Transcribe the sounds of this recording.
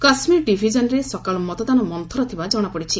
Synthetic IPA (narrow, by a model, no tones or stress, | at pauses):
kasmiɾɖibʱid͡ʒɔnɔɾesɔkaɭɔmɔt̪ɔd̪anɔmɔnt̪ʰɔɾɔt̪ʰibad͡ʒɔɽ̃ɔpɔɽit͡ʃʰi